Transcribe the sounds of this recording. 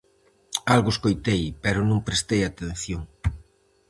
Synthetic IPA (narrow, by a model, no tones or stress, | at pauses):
alɣʊeskojt̪ejpɛɾʊnõŋpɾest̪ejat̪en̟θjoŋ